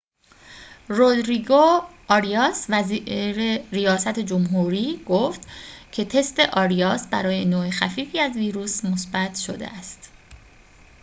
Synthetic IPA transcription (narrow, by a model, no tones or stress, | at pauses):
rod̪ɾiɡoʔɒɾijɒːsvæziɾeɾijɒːsæt̪ʰe̞d͡ʒomɦuːɾiːɡ̥oft̪cʰe̞t̪ʰe̞st̪e̞ʔɒːɾiɒːsbæɾɒːje̞noːexæfiːfiːæzviːɾuːsmo̞sbæt̪ʰʃo̰d̪ḛʔæst̪